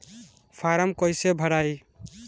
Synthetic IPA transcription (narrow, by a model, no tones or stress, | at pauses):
pʰaɾəmkəɪsebʱəɾai